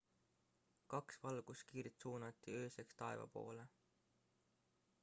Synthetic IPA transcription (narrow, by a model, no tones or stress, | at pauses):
kɑksvɑlɡ̥uskiːɾit̪suːnɑt̪ːˑiø̞ːse̞kst̪ɑe̞vɑ̰po̞̰ːle